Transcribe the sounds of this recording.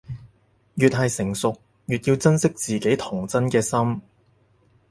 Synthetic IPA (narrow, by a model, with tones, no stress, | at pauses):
jyː˨t̚ɦɐ˨jsɪ˨˩ŋsʊ˨k̚ | jyː˨t̚jiː˧wt͡sɐ˥nsɪ˥k̚t͡siː˨ke˨˥jt̪ʰʊ˨˩ŋt͡sɐ˥nkɛː˧sɐ˥m